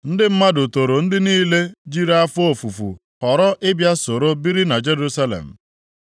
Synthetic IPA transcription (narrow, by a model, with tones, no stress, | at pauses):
n̩˦dɪ˦m̩˦ma˦dʊ˨to˨ɾo˨n̩˦dɪ˦niː˦le˦d͡ʒi˦ɾa˦a˦fʊ˦o˨fu˨fṵ˨ | ɔ˨ɾɔ˦ʔɪ˦bja˦so˨ɾo˦bi˦ɾi˦na˨d͡ʒe˦ɾu˦sa˦lḛ˨m̩˨